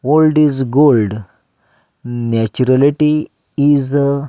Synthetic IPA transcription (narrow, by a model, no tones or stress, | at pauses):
wolɖizɡolɖ | nat͡ɕuɾaliʈiː | z